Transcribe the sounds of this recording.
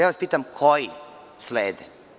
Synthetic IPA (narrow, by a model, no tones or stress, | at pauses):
jaːʋaspiːt̪amkʰoji | sleːd̪e